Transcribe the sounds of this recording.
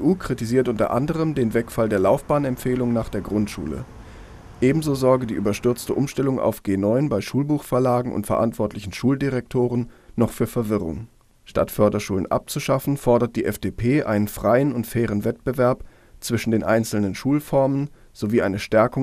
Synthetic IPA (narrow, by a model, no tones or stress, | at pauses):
ʔuːkʁ̥itiziːɐtʔʊntɐ̰ʔandəʁ̞əmdeːnvɛkfaldeːɐlaʊfb̥aːnɛmpfeːlʊŋnaːχd̥eːɐɡʁʊntʃṵːlə̰ | ʔeːbm̩zoːzɔɐɡədiːʔyːbɐʃtʏɐt͡stəʔʊmʃtɛlʊŋa̰ʊfɡ̥eːnɔʏnbaɪʃuːlbuːxfɛɐlaːɡŋ̩ʔʊ̰ntfɛɐʔa̰ntv̥ɔɐtʰlɪçn̩ʃuːldiʁɛk̚tʰoːʁ̞ənnɔχfyːɐfɛɐvɪʁʊ̰ŋ | ʃta̰tfœɐdɐʃuːlə̰nʔa̰p̚t͡suʃafn̩fɔɐdɐt̚d̥iːʔɛfd̥eːpʰeːʔaɪnənfʁ̥aɪənʊntfɛːʁ̞ənvɛt̚b̥əvɛɐp | t͡sv̥ɪʃn̩deːnʔa̰ɪnt͡sl̩nənʃuːlfɔɐmən | z̥oviːʔaɪnəʃtɛɐkʊ